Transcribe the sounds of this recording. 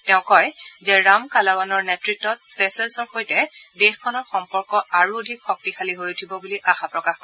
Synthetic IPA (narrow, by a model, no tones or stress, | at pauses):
tɛʊ̃kɔjzɛɹamkalabanɔɹnetɹitːɔt̚sesɛlsɔɹxojtɛdexkʰɔnɔɹxɔmpɔɹkɔaɹuodʱikxɔk̚tixʰaliɦojutʰibɔbuliʔaxapɹɔkax